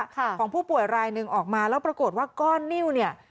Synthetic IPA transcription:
kʰɔː˩˦ŋpʰuː˥˩pu˨˩əjɾaː˧jnɯ˧ŋʔɔː˨˩k̚maː˧lɛː˦˥wpɾa˧koː˨˩t̪̚waː˥˩kɔː˥˩nːi˥˩wni˥˩ɐ

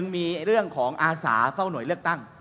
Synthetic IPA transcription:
ɯ˧ŋmiː˧ɾɯ˥˩əŋkʰɔː˩˦ŋʔaː˧sa̰ː˩˦fa˥˩wnu˩˦jlɯ˥˩ək̚t̪a˥˩ŋ

